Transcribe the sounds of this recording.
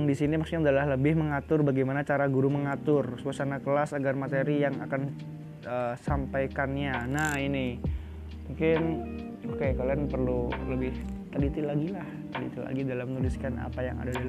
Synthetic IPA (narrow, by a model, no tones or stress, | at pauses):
ŋdisinimaksu̥ɲaudalahləbɪhməŋat̪ʊrbaɡajmanat͡ʃaɾaɡuɾuməŋat̪ʊrsuasanakəlasaɡarmat̪eɾijaŋa̰kan | əsampajkanɲanahinɪ | muŋkɪn | okekalianpərluləbɪht̪əlit̪ɪlaɡilaht̪əlḭt̪ɪla̰ɡidalamnulɪskana̰paja̰ŋa̰dadal